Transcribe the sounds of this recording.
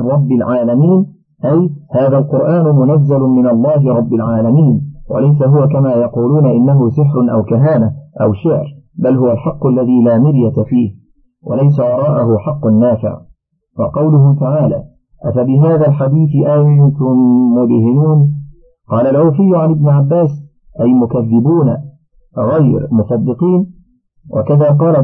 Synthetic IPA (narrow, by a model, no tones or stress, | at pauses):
ɾˤɑbːɪlʕaːlamiːn | ʔajhaːðaːlqʊɾʔaːnʊmʊnazːalʊmɪnalˤːɑːɦɪɾˤɑbːalʕaːlamiːnwa̰lajsaɦʊwakamaːjɑquːluːnaʔɪnːaɦʊsɪħɾʊnʔawkaɦaːnaʔa̰wʃɪʕɾbalhʊwalħɑqːʊalːaðiːlaːmɪɾjat̪afiːh | wa̰lajsawɑɾˤɑːʔahʊħɑqːʊnːaːfɪ̰ʕ | wɑ̰qɑwlʊɦʊt̪aʕaːla̰ː | ʔafabɪɦaːðaːlħad̪iːθɪʔajt̪ʊmːʊd̪hɪnuːn | qɑːlalʕuːfɪjːʊʕanɪbnʊʕabːaːs | ʔajmʊkaðːɪbuːn | ɣajɾmʊsɑd̪ːɨqiːn | wʔa̰kaðaːqɑːla